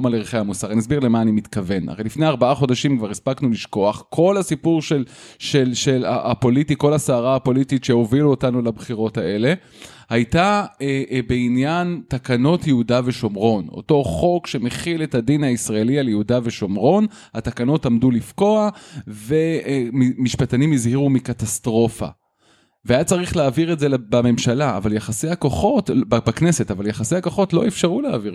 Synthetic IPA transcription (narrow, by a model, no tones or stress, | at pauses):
maleʁiχejhamusaʁaninas̬biʁlemaːnimit̪kave̞nʔa̰ʁejlifne̞aʁbaaχo̞daʃimkvaʁispaknuliʃko̞aχkʰo̞lasipuʁʃel | ʃelʃe̞la̰ʔapo̞litiko̞lasaːʁaapo̞lititʃe̞o̞viluotanulabχiʁo̞taʔe̞le̞ | hajtaebeinjantakano̞tjeudaveʃo̞mʁo̞no̰to̞χo̞kʃe̞meχile̞thadinaisʁae̞lialjeudave̞ʃo̞mʁo̞n | hatakano̞tamdulifko̞ave̞ | miʃpatanimizhiʁumikatastʁo̞fa̰ | veajat͡saʁiχleːviʁezelbame̞mʃala̰ːvaljaχasejhako̞χo̞tbakne̞se̞tavaljaχasejhakoχo̞tlo̞efʃaʁulea̰viʁ